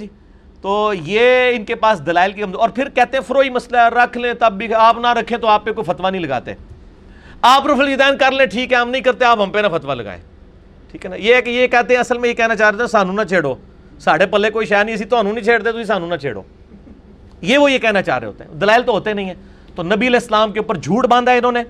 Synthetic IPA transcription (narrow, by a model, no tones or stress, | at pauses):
iː | t̪oːjeːɪnkepaːsd̪əlaːɪlkikəmzoːɔːɾpʰɪɾkɛːt̪ẽɦɛ̃ːpʰəɾoːiməslaɾəkʰlẽːt̪əbːiːaːpnaɾəkʰːẽːt̪oaːpːekoːifʰət̪ʋaːnəĩləɡa̰ːt̪ḛ | aːpɾəfʰəld͡ʒd̪ɛːnkəɾlẽːʈʰiːkɦɛəmnəĩːkəɾt̪eaːpʋɦə̃mpeːnafʰət̪ʋaːləɡa̰ːḛ̃ː | ʈʰiːkɦɛːnajeːɦɛkejeːkɛːt̪ẽɛ̃əsəlmẽjeːkɛːnaːt͡ʃaːɾet̪ːsaːnũːnaːt͡ʃʰeːɽoː | saːɽeːpəlːeːkoːiʃɛːɾnĩəs̬ĩt̪oaːnũːnəĩːt͡ʃʰeːɽt̪eɛt̪ʊsĩːs̬aːnũːnat͡ʃʰḛːɽo̰ː | jeːʋoːjeːkɛːnaːt͡ʃa̰ːɾḛːɦo̰ːt̪eɦd̪əlaːɪlt̪oːɦoːt̪enəĩɛː | t̪oːnəbiːəleːslaːmkeʊpːəɾd͡ʒʱuːʈbãːnd̪aɛɪnõːneː